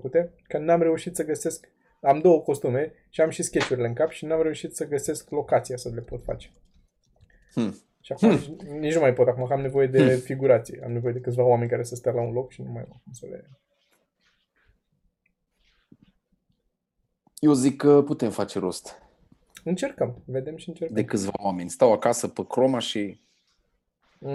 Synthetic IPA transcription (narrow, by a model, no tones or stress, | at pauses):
kut̪e̞ | kənamɾe̞uʃit̪səɡəse̞sk | amd̪o̞wəko̞st̪ume̞ | ʃiamʃiskʲe̞t͡ʃuɾʲile̞ɨŋkapʃinamɾe̞uʃit̪səɡəse̞sklo̞kat̪siasəle̞po̞t̪fa̰t͡ʃe | ʃiakumnit͡ʃnumajpo̞t̪akumakamne̞vo̞je̞d̪e̞fiɡuɾat̪sijḛa̰mne̞vo̞je̞d̪ekɨt̪svawame̞nʲkaɾe̞səst̪alaunlo̞kʃinumajakumsəlḛ | jewzikːəput̪e̞mfat͡ʃeɾost̪ | ɨnt͡ʃe̞rkəmve̞d̪e̞mʃiɨnt͡ʃerkd̪ekɨt̪sva̰wame̞nʲst̪awakasəpəkɾo̞maʃi